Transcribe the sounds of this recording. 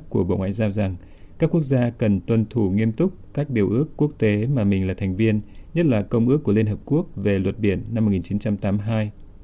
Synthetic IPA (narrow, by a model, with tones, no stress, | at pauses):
ku˧˩əɓo̰˧˨wŋwa̰ː˧˨jzaː˧wza˨˩ŋ | kaː˦˥k̚ːu˦˥ək̚zaː˧kə˨˩nt̪wə˨˩nt̪ʰu˧˩ŋi˧əmt̪ʊ˦˥k͡p̚kaː˦˥k̚ɗi˨˩əwʔɨ˦˥əkːu˦˥ək̚t̪e˨˦maː˨˩mï˨˩ŋ̟laː˨˩t̪ʰɛ˨˩ŋ̟vi˧ənɲə˦˥t̚laː˨˩kə˧wŋ͡mʔɨ˦˥kːu˧˩əli˧ənɦəː˨˩p̚ku˦˥ək̚ve˨˩lwə˨˩t̚ɓi˧˩ənːa˧mo˨˩ŋi˨˩t͡ɕi˨˦nt͡ɕa˧mt̪aː˨˦mɦaː˧j